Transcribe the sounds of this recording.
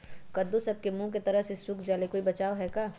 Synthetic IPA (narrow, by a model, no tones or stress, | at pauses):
kɐd̪osɐb̚kemũk̬et̪ɐɾəɦsesʊkʰd͡ʒaːlekoːibɐt͡ʃaːoɦɛkaː